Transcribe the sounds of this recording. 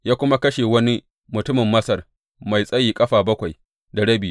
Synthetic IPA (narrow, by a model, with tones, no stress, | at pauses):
jaː˦kʷʊ˦ma˦kɐ˦ʃe˨wɐ˦ni˦ | mʊ˨tʊ˦mɪ˨mːɐ˦sɐ˨r | ma˨jsʼɐ˦jiː˨kʼɐ˦ɸaː˨bɐ˦kʷa˨j | da˨ɽɐ˦biː˨